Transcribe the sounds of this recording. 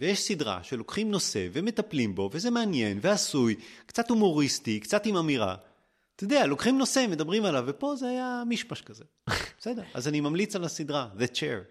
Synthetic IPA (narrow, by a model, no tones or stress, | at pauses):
vejeʃsidʁa̰ʃe̞lo̞kχimno̞se̞̰veme̞t̪aplimbo̞ve̞zemeanje̞nveasujkt͡sat̪umo̞ʁist̪ikt͡sat̪imamiʁa̰ | t̪ed̪ealo̞kχimno̞se̞med̪abʁimalavːe̞po̞zehajamiʃmaʃkaze | b̥sedeʁa̰zanimamlit͡salasid̪ʁaðet͡ʃeʁ